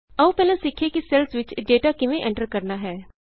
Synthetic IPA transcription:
ɐʋũpɛːlẽsɪkʰːekisɛlsʋɪt͡ʃɖeːʈakɪʋẽʔɛ̃ɳʈəɾkɐɾnaɦɛː

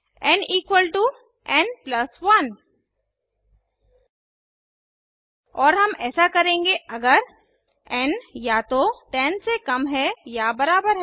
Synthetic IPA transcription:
ɛniːkwəlʈu | ɛ̃nplɐsʋɐn | ɔːɾɦɐmɛːsakɐɾẽːŋɡeʔɐɡəɾ | ɛ̃njat̪oʈ̪ɛ̃ːnsekɐmɦɛjabɐɾaːbəɾɦ

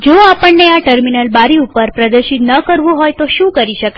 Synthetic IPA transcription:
d͡ʒoapəɳːeaʈəɾminəlbaɾiupəɾpɾəd̪əɾʃit̪nəkəɾʋũɦojt̪oʃũkəɾiʃəke

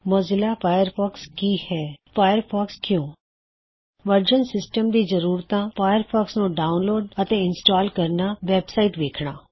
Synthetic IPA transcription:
mozɪlaːpʰaːjəɾpʰɔːkskiːhɛːpʰaːjəɾpʰaːkskjõː | ʋəɾd͡ʒənsɪsʈəmd̪iːzəɾuːɾt̪ãːpʰaːjəɾpʰaːksnũːɖaːʊnloːɖət̪ẽɪnsʈaːlkəɾnaːʋɛːbsaːiʈʋeːkʰɽ̃aː

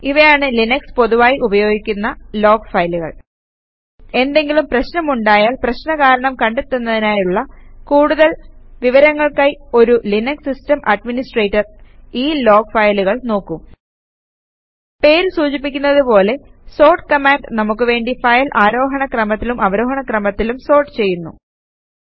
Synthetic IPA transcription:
iʋɐjaːɳɨlinɐkspo̞ðuʋaːjiʔubɐjo̞ːɡikʲːunːɐlo̞ːɡfɐjluɣɐ̰ɭ | e̞nd̪e̞ŋɡilumprɐɕnɐmuɳɖaːjaːlprɐɕnɐkaːɾɐɳɐmkɐɳɖet̪ːunːɐðinaːjuɭːɐkuːɽuðɐlʋiʋɐɾɐŋːɐɭkaːjio̞ɾulinɐksistɐmʔɐɖminisʈreːtːɐriːlo̞ːɡfɐjluɣɐɭno̞ːkːum | pe̞ːɾsuːt͡ɕip̬ːikʲːunːɐðupo̞ːle̞so̞ːrʈkɐmaːɳɖnɐmukːɨʋe̞ːɳɖifɐjlʔaːɾo̞ːɦɐɳɐkrɐmɐt̪ːilumɐʋɐɾo̞ːɦɐɳɐkrɐmɐt̪ːilumso̞ːrʈɨt͡ɕe̞jːunːṵ

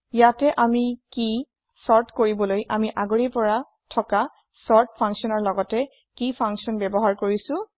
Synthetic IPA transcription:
jatɛʔamiki | sɔɹtʰkoɹibɔlojʔamiʔaɡoɹipɔɹa | tʰɔka | sɔɹt̚pʰãŋksiɔnɔɹlɔɡɔtɛ | kipʰaŋksɔnbɛbɔɦaɹkoɹisʊ̃

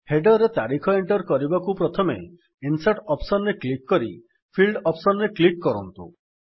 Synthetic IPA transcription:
heɖɔɾet̪aɾikʰɔeɳʈɔɾkɔɾibakupɾɔt̪ʰɔmḛ | insaʈɔpsɔnɾeklikːɔɾḭ | pʰilɖɔpsɔnɾeklikːɔɾɔ̰nt̪ṵ

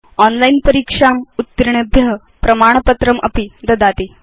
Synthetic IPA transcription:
ɔnlainpəɾikʂamut̪ːɾɳebʱjəɦ | pɾɐmaɳ̃pət̪ɾəmʔə̰pid̪ɐd̪at̪i

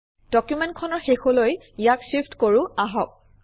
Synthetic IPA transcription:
d̥ɔkjumɛntkʰɔnɔɹxexoloj | ijaksipʰtkoɹʊaɦɔk̚

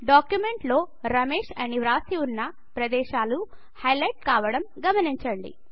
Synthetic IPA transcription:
ɖaːkjumeɳʈlo̞ː | ɾɐmeːʂɐniʋɾaːsiunːɐ | pɾɐd̪ɛːʃaːlu | hɐjlɐjʈ̚kaːʋɐɽɐmɡɐmɐniɲt͡ʃɐɳɖḭ

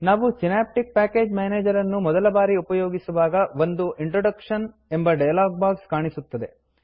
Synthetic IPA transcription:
naːʋusinaːp̚ʈik̚paːke̞ːd͡ʒmaːneːd͡ʒɐɾɐnːumɔd̪ɐlɐbaːɾiupɐjoːɡisuʋaːɡɐʋond̪uʔiɳʈɾoɽɐkʂɐn | e̞mbɐɖɐjɐlaːɡ̚baːɡskaːɳisut̪ːɐd̪e̞

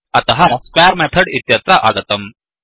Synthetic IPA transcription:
ɐt̪ɐɦɐskwɛɾmɛt̪ʰɐɽit̪jɐt̪ɾɐʔaɡɐt̪ɐm

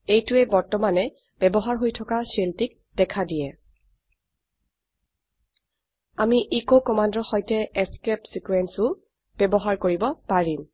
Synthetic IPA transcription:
ejtʊɛbɔɹtɔmanɛ | b̥ɛbɔɦaɹɦojtʰɔkasiltik̚ | d̥ɛkʰadijɛ | amiʔikokɔmandɔxɔjtɛɛskɛpsikuwɛnsʊ | b̥ɛbɔɦaɹkoɹibɔpaɹim

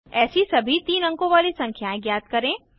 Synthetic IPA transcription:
ɛːsisɐbʱit̪iːnɐ̃ŋkõʋaːlisɐ̃ŋkʰjaːẽɡjaːt̪kɐɾẽː

